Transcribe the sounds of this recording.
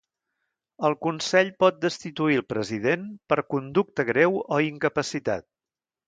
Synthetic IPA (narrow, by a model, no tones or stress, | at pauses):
əlˠkunsɛʎpɔt̪̚d̪əst̪it̪uilˠpɾəziðenpəɾkund̪uk̚t̪əɣɾɛwoiŋkəpəsit̪a̰t̪̚